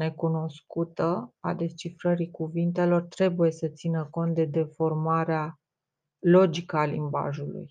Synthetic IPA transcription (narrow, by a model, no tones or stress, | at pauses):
ne̞kuno̞skut̪əa̰d̪e̞st͡ʃifɾəɾikuvint̪e̞lo̞rt̪ɾe̞buje̞sət̪sinəko̞nt̪̚d̪e̞d̪e̞fo̞rmaɾea | lo̞d͡ʒikəalḭmba̰ʒulṵj